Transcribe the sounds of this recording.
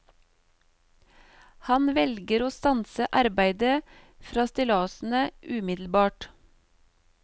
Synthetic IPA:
hɑnʋɛlɡəɾoːst̪ɑnsəʔɑɾbæɪd̪ə | fɾɑːst̪ɪlɑːsn̩əʔʉːmɪd̪l̩bɑːʈ

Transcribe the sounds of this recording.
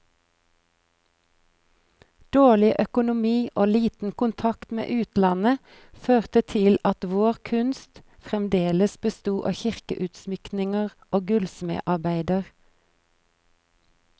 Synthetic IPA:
d̪̥oːɭɪʔœkʊnʊmiːʔoːliːt̪n̩kʊnt̪ʰɑkt̪mḛːʔʉːt̪lɑnə | føːʁt̪ət̪ʰɪlɑt̪ʋoːʁkʰʉnst̪ | fʁɛmd̪eːləsbəst̪uːʔɑ̰ːçɪʁkə̰ʔʉːt̪smʏknɪŋəʁʔoːɡʉlsmḛːʔɑʁbæɪd̪əʁ

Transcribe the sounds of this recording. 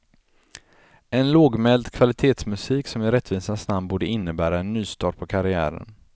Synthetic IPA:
ɛnloːɡmɛld̪kʰvalɪt̪ʰeːt̪smɵsiːksɔmɪɾɛt̪ːviːsansnambuːɖəɪnːəbæːɾaɛnːyːst̪ɑːʈ̚pʰɔkʰaɾɪæ̰ːɾə̰n

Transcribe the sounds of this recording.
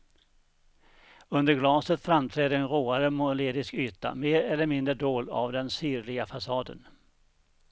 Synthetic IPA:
ɵnd̪əɾɡlɑːsət̪fɾamt̪ʰɾɛːd̪əɛnɾoːaɾəmʊnʊleːd̪ɪskyːt̪a̰meːɾɛlːəɾmɪnd̪ɾəɖoːla̰vd̪ɛnsyːɾlɪɡafasɑːd̪ə̰n

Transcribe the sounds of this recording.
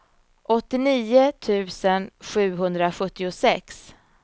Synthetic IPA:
ʔɔt̪ːɪniːʊt̪ʰʉ̟ːsənɧʉ̟ːɦɵnd̪ɾaɧɵt̪ːɪʊsɛks

